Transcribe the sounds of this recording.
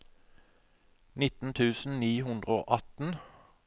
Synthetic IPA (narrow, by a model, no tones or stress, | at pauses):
nɪt̪n̩t̪ʰʉːsn̩niːhʉnd̪ʁəo̰ːʔɑt̪n̩